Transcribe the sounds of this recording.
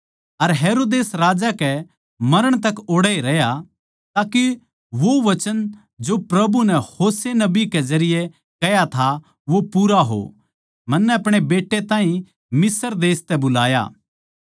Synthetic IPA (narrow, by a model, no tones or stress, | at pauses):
ɐɾɦeːɾoːd̪eːsɾaːd͡ʒakɛ | mɐɾəɽ̃t̪ɐkoːɽɛiɾɐja | t̪aːki | ʋoʋɐt͡ʃən | d͡ʒopɾɐbunɛhoːsenɐbikezɐɾɪje | kɐjat̪ʰa | ʋopuːɾaɦo̰ | mɐnːɛɐpɽ̃ebeːʈːet̪ãːɦĩ | mɪsəɾd̪eːst̪ɛbʊlaːja̰ː